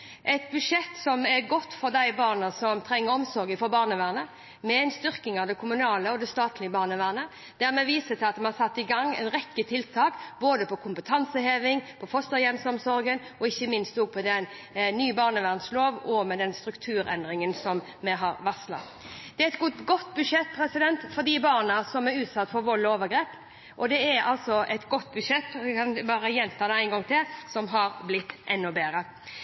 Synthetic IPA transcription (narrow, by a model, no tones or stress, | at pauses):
ʔɛt̪bʉd̪ʂɛt̪ːsɔmɛɾɡɔt̪ːfɔʁd̪æɪbɑːʁnɑsɔmt̪ʰɾɛŋːəɾɔmsɔɾɡɪfɔbɑːʁnəʋæːʁnə | mɛɛɪnst̪ʏɾkɪŋɑʋd̪ɛkʰʊmʉnɑːləɔd̪ɛst̪ɑːt̪ʰlɪəbɑːʁnəʋæːʁnə | d̪̥æʁmɛʋiːsət̪ʰɪlɑt̪mɛnɑsɑt̪ːɪɡɑŋːɛ̰ɪnɾɛkːət̪ʰɪlt̪ʰɑːkboːd̪əpɔkʰʊmpət̪ʰɑnsəheːʋɪŋpʰɔfɔst̪ɑjɛnsɔmsɔɾɡənɔɪçːəmɪnst̪ɔɡ̚pʰɔd̪ɛnnyːbɑːʁnəʋæʁnsloːʋɔmɛd̪ɛnst̪ɾʉkt̪ʰʉːɾɛ̰nd̪ɾɪŋənsɔm | mɛɦɑɾʋɑslɑ̰ | d̪̥ɛæɛt̪ɡʊɡɔt̪ːbʉʂɛt̪̚ːpʰɾɛsɪd̪ɛnt̪fɔd̪ɪbɑːʁnɑsɔmɛɾʉːt̪sɑt̪ːfɔɾʋɔloːʋəɡɾeːp | ʔɔd̪ɛæɾɑlt̪sɔʔɛt̪ɡɔt̪ːbʉʂɛt̪ːkʰɑnbɑːɾəjɛnːt̪ʰɑːd̪ɛæɪnɡɔŋt̪ʰɪlsɔmɦɑɾblɪt̪ːʔɛnːʊbeːɾə